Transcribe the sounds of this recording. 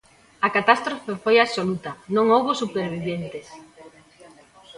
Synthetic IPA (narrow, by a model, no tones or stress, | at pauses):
ɐkat̪ast̪ɾofefojaβsolut̪ɐnõŋowβosupeɾβ̞iβjent̪es